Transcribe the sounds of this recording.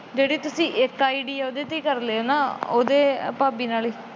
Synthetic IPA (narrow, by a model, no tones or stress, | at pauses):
ɡeɽit̪ːusiʔekːajɽijaod̪et̪ikːɐrleonːaod̪epɐbinaɭi